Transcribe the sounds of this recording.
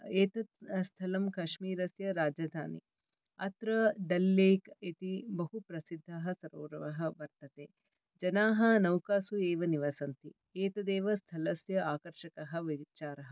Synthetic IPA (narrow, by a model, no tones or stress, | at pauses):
eːt̪ɐt̪st̪ʰɐlɐmkɐʃmiːɾɐsjɐɾaːd͡ʒɐd̪ʱaːnḭ | ɐt̪ɾɐd̪ɐlːeːkit̪ibɐɦupɾɐsid̪ʱːɐɦɐ̆sɐɾo̰ːɾɐʋɐɦɐʋɐɾt̪ɐt̪eː | d͡ʒɐnaːɦɐ̆nɐwkaːsueːʋɐniʋaːsɐnt̪i | eːt̪ɐd̪eːʋɐst̪ʰɐlɐsjɐaːkɐɾʃɐkɐɦɐʋit͡ʃaːɾɐɦɐ